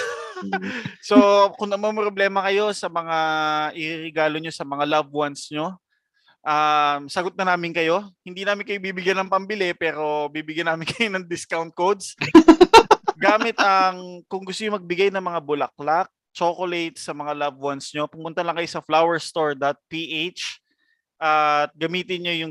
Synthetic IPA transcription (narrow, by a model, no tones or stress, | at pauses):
so̞kʊŋɐmɐnpɾoblɛːmɐkɐjo̞sɐmɐŋaʔɪɾɪɾɛɡaːlo̞ɲo̞sɐmɐŋalavwansɲo̞ | ʔamsɐɡot̪̚ɐnaːmɪnkɐjo̞hɪnd̪iːnaːmɪnkɐjobiːbɪɡjanɐŋpɐmbɪlɛpɛːɾo̞bibɪɡjɐnaːmɪnkɐjonɐŋd̪ɪskawnt̪̚kowd̪s | ɡaːmɪt̪̚ɐŋkʊŋɡʊst̪oɲʊmɐɡ̚bɪɡajnɐŋmɐŋabʊlɐk̚lak̚ | t͡ʃoːkolejt̪̚sɐmɐŋalavwansɲo̞pʊmʊnt̪ɐlɐŋkɐjo̞sɐflawɛɹst̪oɹd̪at̪̚piʔejt͡ʃ | ʔat̪̚ɡɐmiːt̪ɪnɲo̞jʊŋ